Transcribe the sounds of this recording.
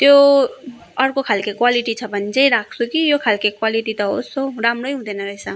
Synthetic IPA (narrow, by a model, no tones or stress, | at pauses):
t̪jo | ʌrkokʰalkekwaliʈit͡sʰʌbʱʌnd͡zʌjɾak̚ʰt͡sʰukijokʰalkekwaliʈit̪ʌɦosoɾamrojɦũd̪ʌnʌɾʌɦesʰʌ